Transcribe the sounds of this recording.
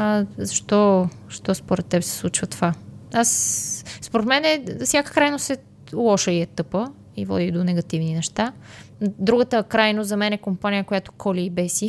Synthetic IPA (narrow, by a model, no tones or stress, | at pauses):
zɐʃt̪ɔ | ʃt̪ɔspoɾɛt̪ːɛpsɛ̥slˠut͡ʃvət̪ovaasspoɾɛt̪mɛnɛsʲjakə̥kɾajnost̪sɛ | lˠɔʃəiɛt̪ɤpə | ivɔ̰d̪id̪onɛɡɐt̪ivninɛʃt̪a | d̪ɾuɡət̪əkɾajnozɐmɛnɛkompanijəkojat̪o̥kɔlʲiːbɛsi